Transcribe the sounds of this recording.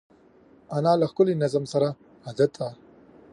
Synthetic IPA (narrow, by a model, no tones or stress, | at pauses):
anaːlaxkʊlinazamsaɾa | ad̪at̪ːa